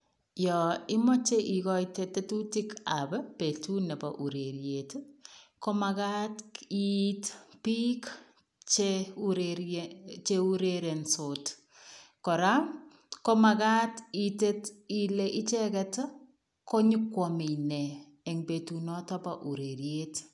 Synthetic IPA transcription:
jɔɪmɔt͡ʃeʔikɔjtetetutikabɛpetunɛpa̰ʔuɾeɾjetkɔmakatitpik | t͡ʃeuɾeɾt͡ʃeuɾeɾensot | kɔɾa | kɔmakatitetileʔit͡ʃɛkɛt | koɲikwɔmenɛː | ŋbetunɔtɔpaʔuɾeɾjet

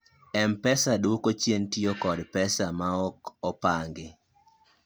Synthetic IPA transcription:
ɛmpɛsadwokot͡ʃjentiokɔdpɛsamaɔkɔpaŋɡɪ

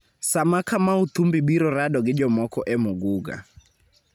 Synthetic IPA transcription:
samakʰamaut̪ʰumbiɓiɾɔɾaɗɔɡid͡ʒɔmɔkʰɔʔɛmuɡuɡa̰

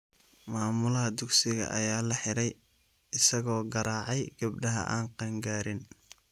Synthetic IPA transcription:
maːmʊlɐɦɐd̪ʊksɪɣɐ̰ʔɐ̰jaːlɐħɪɾɛj | ɪsɐɣɔːɡɐɾaːʕɑjɡ̥ɐbɖɐɦɐ̰ʔa̰ːnqɑŋɡaːɾɪn

